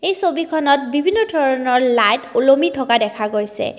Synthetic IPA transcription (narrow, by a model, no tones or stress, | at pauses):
ejsobikʰɔnɔt̚bibʱinːɔdʱɔɹɔnɔɹlajtulomitʰɔkadɛkʰaɡojsɛ̰